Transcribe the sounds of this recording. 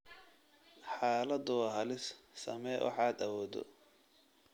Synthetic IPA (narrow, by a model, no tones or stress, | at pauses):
ħaːlɐd̪ʊwɑɦɐlɪssɐ̰mɛːwɑ̰ħɑːd̪ɐwɔːd̪ɔ̰